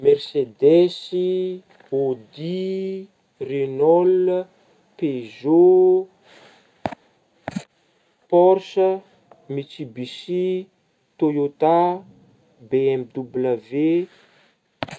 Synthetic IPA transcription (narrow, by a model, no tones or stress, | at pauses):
mɛrsed̪ɛsi | od̪i | renɔl | pezo | pɔɾsə | mit͡sibisi | t̪ojot̪a | beɛmd̪ubləve